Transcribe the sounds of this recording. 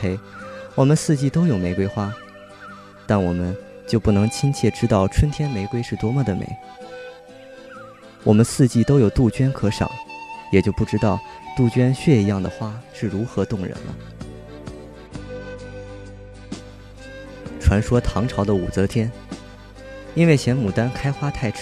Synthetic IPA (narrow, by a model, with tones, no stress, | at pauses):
e˧˥ɪwɔ˨˩mə˦nsɹ̩˥˧t͡ɕi˥˩t̪o˥ʊjo˨˩ʊme˧˥ɪkwe˥ɪxwa˥ | t̪a˥˩nwɔ˨˩mə˦n | t͡ɕjo˥˧ʊpu˥˩nɤ˧˥ŋt͡ɕʰi˥ŋt͡ɕʰjɛ˥˩ʈ͡ʂɻ̩˥t̪ɑ˥˩ʊʈ͡ʂʰwə˥nt̪ʰjɛ˥nme˧˥ɪkwe˥ɪʂɻ̩˥˩t̪wɔ˧˥mə˥˨d̪ə˩mḛ˧˥ɪ | wɔ˨˩mə˦nsɹ̩˥˧t͡ɕi˥˩t̪o˥ʊjo˨˩ʊt̪u˥˩t͡ɕɥɛ˥nkʰɤ˧˥ʂɑ̰˨˩˦ŋjɛ˨˩t͡ɕjo˥˧ʊpu˥˩ʈ͡ʂɻ̩˥t̪ɑ˥˩ʊt̪u˥˩t͡ɕɥɛ˥nɕɥɛ˥˩i˧˥jɑ˥˩ŋd̪ə̰˩xwa˥ʂɻ̩˥˩ɻu˧˥xɤ˧˥t̪ʊ˥˩ŋɻə̰˧˥nlə̰˧ | ʈ͡ʂʰwa˧˥nʂwɔ˥t̪ʰɑ˧˥ŋʈ͡ʂʰɑ˧˥ʊd̪ə˧u˨˩t͡sɤ˧˥t̪ʰjɛ˥n | i˥nwe˥˩ɕʰjɛ˧˥nmu˨˩t̪a˥nkʰa˥ɪxwa˥t̪ʰa˥˩ɪʈ͡ʂʰ